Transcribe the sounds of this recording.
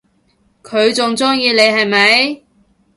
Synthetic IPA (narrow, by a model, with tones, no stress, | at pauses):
kʰɵ˨˧ɥt͡sʊ˨ŋt͡sʊ˥ŋjiː˧le˨˧jɦɐ˨jmɐ˨˧˥j